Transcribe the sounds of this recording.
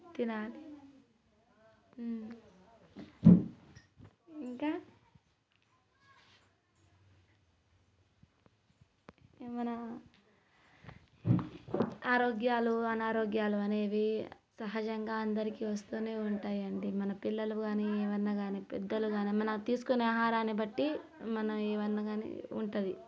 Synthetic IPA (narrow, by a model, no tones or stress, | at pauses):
t̪inaːli | iŋkaː | mɐnɐ | aːɾoːɡjaːluɐnaːɾo̞ːɡjaːluɐneːʋisɐɦɐd͡ʒɐŋɡaːɐnd̪ɐɾikiʋɐst̪uːne̞ːuɳʈaːjɐɳɖimɐnɐpilːɐluɡaːniɛːʋɐnːaːɡaːniːpɛ̰d̪ːɐluɡaːniːmɐnɐmt̪iːsu̥kuneaːɦaːɾaːnːibɐʈːimɐnɐmɛːʋɐnːaːɡaːnḭṵɳʈud̪i